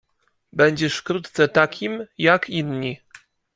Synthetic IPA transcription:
bɛɲd͡ʑɛʂfkɾut̪t̪sɛt̪akʲʰimjakinɲi

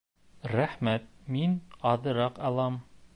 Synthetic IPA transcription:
ɾæχmæt̪̚minɑðɤ̆ɾɑqɑlˠɑm

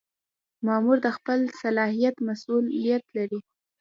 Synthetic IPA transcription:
mɑmuɾd̪əxpəlsalɑhijat̪masulːijat̪laɾi

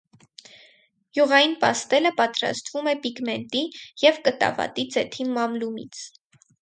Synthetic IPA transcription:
juʁɑjinpɑst̪ɛləpɑt̪ɾɑ̰st̪vumɛpiɡmɛnt̪ijɛvkət̪ɑ̰vɑ̰t̪id͡zɛt̪ʰimɑmlumḭt͡sʰ

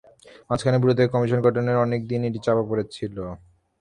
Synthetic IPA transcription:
mat͡ɕʰkʰanebuɾod̪ʱekɔmiʃonɡʱɔʈoneɾɔnek̚d̪ineʈit͡ɕabapoɾet͡ɕʰilo

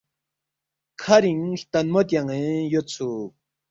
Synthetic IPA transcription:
kʰaɾiŋt̪anmot̪̬jaŋẽjot͡sʰu

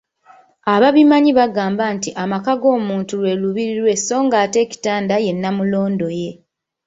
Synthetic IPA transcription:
aβaβimaɲiβaɡaːmbaːntiʔamakaɡo̞ːmuːntulwe̞ːluβiɾiɾwe̞so̞ːŋɡaːte̞ːci̥taːndaje̞nːamulo̞ːndo̞je̞

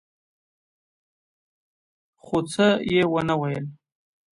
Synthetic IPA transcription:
xot͡səjewənawajəl

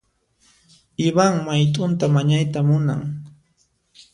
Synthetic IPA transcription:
ɪβaŋmajt̪ʼʊnt̪amaɲajt̪amʊna̰ŋ

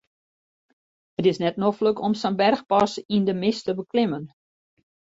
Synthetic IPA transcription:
ətɪsnɛtnoxfløkɔmsənbɛrxpɑsindəmɪstəbəklɪmən

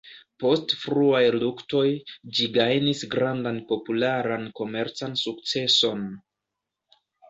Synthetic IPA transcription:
po̞stfɾuajlukto̞jd͡ʒiɡajnisɡɾandanpo̞pulaɾanko̞me̞ɾt͡sansuk̚t͡se̞so̞n

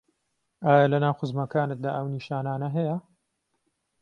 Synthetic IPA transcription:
aːjɐlɐnaːwxɨzmɐkaːnɨt̪̚d̪aːʔɐwniːʃaːnaːnɐɦɐjɐ

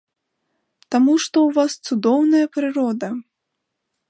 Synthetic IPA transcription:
t̪amuʂt̪ɔwvast̪sud̪ɔwnɐjɐpɾɨɾɔd̪ɐ

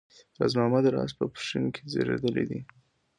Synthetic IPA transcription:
ɾazmɑmad̪əɾɑ̰spəpʂinkʰezeɾed̪əlid̪i

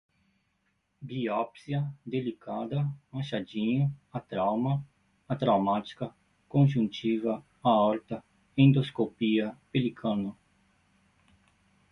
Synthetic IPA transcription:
biɔpsjɐd̪elikad̪ɐmaʃad͡ʒĩɲʊɐt̪ɾawmɐː | t̪ɾawmat͡ʃi̥kɐ | kõnʒũnt͡ʃivɐ | aɔɾt̪ɐ | ẽnd̪oskopiɐpelikʰɐ̃nɐ

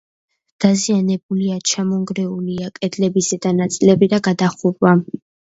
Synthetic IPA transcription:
d̪̥azianɛbuliat͡ʃʰamɔŋɡɾɛuliakʼɛd̪lɛbisɛd̪anat̪sʼilɛbid̪aɡad̪aχuɾwa

